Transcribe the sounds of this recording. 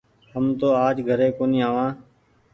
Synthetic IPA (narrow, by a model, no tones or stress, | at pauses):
həmt̪oːaːd͡ʒɡʱəɾeːkoːnĩːaːʋãː